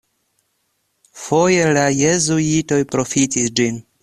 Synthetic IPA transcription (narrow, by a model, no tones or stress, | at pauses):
fo̞je̞laje̞zuito̞jpɾo̞fitisd͡ʒin